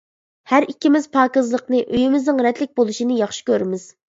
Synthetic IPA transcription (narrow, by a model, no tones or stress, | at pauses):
hæɾikʲʰːimɪz̥pʰɑːkɨzlˠəqnɨʔøjimɪznɨŋɾɛd̪lɪk̚ʲbolˠuʃinɪjɑχʃi̥kʲøɾmɪz̥